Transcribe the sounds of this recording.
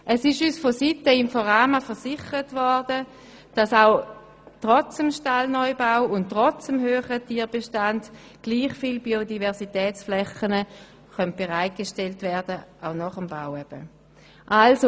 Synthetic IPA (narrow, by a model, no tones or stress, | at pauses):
ʔɛsɪʃyːsfositəɪmfɔʁaːmafɛɐsɪχəʁətvɔʁdə | d̥ɑsaʊ | tʁɔt͡səmʃtalnɔɪbaʊʊntːʁɔt͡səmɦøːχətiːɐbeʃtand | ɡ̥liːχfilbiodivɛɐsitɛːt͡sflɛχənə | χœnt̚b̥eʁaɪt̚ɡ̥eʃtɛltvɛɐdəʔaʊnɔχəmba̰ʊɛb̥ə̰ | ʔalso